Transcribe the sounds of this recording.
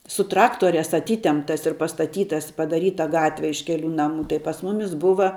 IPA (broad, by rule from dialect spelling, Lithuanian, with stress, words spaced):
sʊ ˈtrɑːktoːrʲæːs ɐˈtʲiːtʲɛmptɐs ɪr pɐstɐˈtʲiːtɐs pɐdɐˈrʲiːtɐ ˈɡɑːtʲʋʲɛ ɪʃ ˈkʲæːlʲuː ˈnɑːmuː tɐɪ pɐs ˈmʊmʲɪs ˈbʊʋɐ